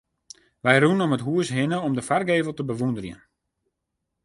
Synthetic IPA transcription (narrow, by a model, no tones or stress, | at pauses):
ʋɛjrunɔmətɦuəsɦɪnəɔmdəfarɡeːvəl̩ˠtəbəʋundərjə̰n